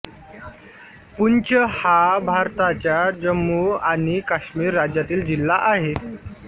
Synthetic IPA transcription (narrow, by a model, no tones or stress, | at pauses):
punt͡ɕəhabʱaɾt̪at͡ɕjad͡ʑəmːuaɽ̃ikaɕmiːɾːad͡ʑjat̪iːld͡ʑilːaʔaɦe